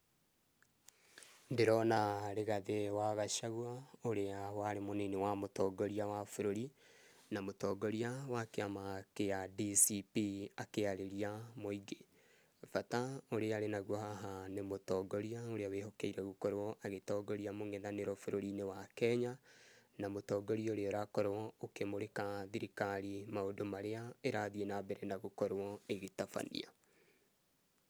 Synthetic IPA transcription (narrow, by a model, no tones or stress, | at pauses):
ndeɾɔnaɾeɣaðewaɣaʃaɣwaoɾeawaɾemonenewamotɔɡɔɾiawafoɾoɾi | namotɔːɡɔɾiawakeamakeadisipiakeaɾeɾiamoiɡe | fataoɾeaɾenaɣwɔhaɦanemotɔɡɔɾiaoɾeawehɔkɛiɾɛɣukɔɾɔʔaɣetɔːɡɔɾiamoŋɛðaneɾɔfoɾoɾinewakɛɲanamotɔːɡɔɾioɾeɔɾakɔɾwɔokemoɾekaðiɾikaɾimaodomaɾeaeɾaðienabɛɾɛnaɣokɔɾɔeɣetafa̰nḭa̰